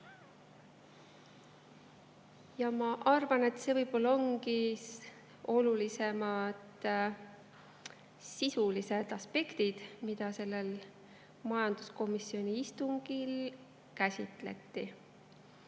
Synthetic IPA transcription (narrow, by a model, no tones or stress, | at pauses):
jɑmɑʔɑrvɑne̞t̪se̞vɤjb̥o̞lːɑo̞ŋɡi | o̞lulise̞mɑd̪̥ | sisulise̞d̪̥ɑspe̞kt̪id̪̥mid̪̥ɑse̞lːe̞l | mɑjɑnd̪̥usko̞misːio̞nʲiist̪uŋɡ̥il | kæsʲit̪le̞̰t̪ˑːi